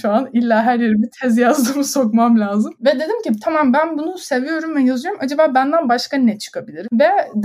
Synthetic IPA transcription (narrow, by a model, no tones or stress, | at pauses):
ʃuanilʲːaːɦæɾje̞ɾibit̪ʰɛzjazd̪umusokmamlʲaːzɯmvɛd̪e̞d̪imcit̪ʰamambænbunuse̞vijo̞ɾumvɛjazɯjo̞ɾumʔad͡ʒabaːbænd̪ænbaʃkanɛt͡ʃʰɯ̥kʰabilʲiɾvɛd̪